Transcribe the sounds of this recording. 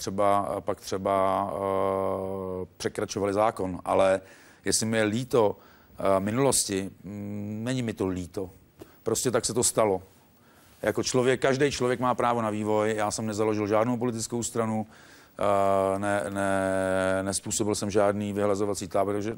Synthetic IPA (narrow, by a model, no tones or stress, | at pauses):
t̪r̥ɛbapakt̪r̥ɛba | pr̥ɛkɾat͡ʃovalɪzaːko̞nʔa̰lɛ | jɛslɪmɪjɛliːt̪o̞ | mɪnulo̞scɪ | nɛɲɪmɪt̪o̞liːt̪o̞ | pɾo̞scɛt̪aksɛt̪o̞st̪alo̞ | jʔako̞t͡ʃlo̞vjɛkːaʒdɛjt͡ʃlovjɛkmaːpɾaːvo̞naviːvo̞jjaːsɛmnɛzaloʒɪlʒaːdnowpo̞lɪt̪̬ɪt͡sskowst̪ɾanu | nɛnɛ | nɛspuːso̞bɪlsɛmʒaːdniːvɪɦlazovat͡siːt̪aːbɪt̪aɡʒɛ